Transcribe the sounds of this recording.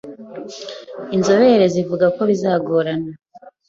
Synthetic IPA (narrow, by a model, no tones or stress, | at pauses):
inzo̞βe̞ɾezivuɡako̞βizaːɡoɾana